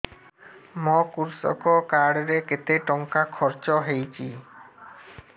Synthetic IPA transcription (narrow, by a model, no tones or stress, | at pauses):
mɔkuɾsɔ̰kɔkaɽɾeket̪eʈɔŋkakʰɔɾt͡ʃɔɦejt͡ʃʰi